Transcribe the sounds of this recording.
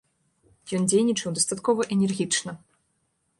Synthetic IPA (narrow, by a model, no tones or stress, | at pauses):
jɔnd͡zʲejnʲit͡ʂɐwd̪ɐst̪at̪kɔvɐʔɛnʲɛrɣʲit͡ʂnɐ